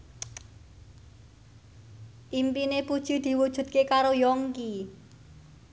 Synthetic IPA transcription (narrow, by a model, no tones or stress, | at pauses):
ʔimpinepud̥ʒ̥i̤d̪̥i̤wud̥ʒ̥ṳd̪̥̚kekaɾojɔŋki